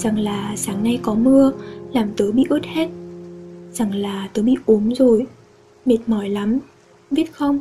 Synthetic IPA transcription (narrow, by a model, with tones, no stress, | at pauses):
za˨˩ŋlaː˨˩saː˨˦ŋna˧jkɔ˨˦mɨ˧əlaː˨˩mt̪əː˨˦jɓḭ˧˨ʔɨ˦˥t̚hɛ˦˥t̚ | za˨˩ŋlaː˨˩t̪əː˨˦jɓḭ˧˨ʔu˨˦əmzo˨˩j | me˨˩t̚mɔ˧˩jla˨˦m | ɓi˦˥ət̚xə˧wŋ͡m